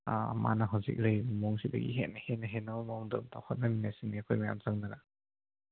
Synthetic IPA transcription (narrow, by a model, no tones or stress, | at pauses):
a̰ma̰naɦawzḭk̚ɾejmɔŋsibɐ̰ɡḭɦet̚nahenɐɦenawmɔŋdɯmtʰa̰whɔt̚nɐminajsiniɐkʰojmaja̰mzaŋnana